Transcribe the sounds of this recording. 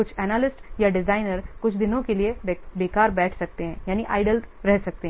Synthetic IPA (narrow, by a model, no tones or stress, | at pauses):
kʊt͡ʃʰɛnaːlɪsʈjaɖɪzaːɪnəɾkʊt͡ʃʰd̪ɪnõkeliebekaːɾbɛːʈʰsɐk̚t̪eɦɛ̃jaːniʔa̰ːɪɖəlɾɛɦsɐk̚t̪eɦɛ̃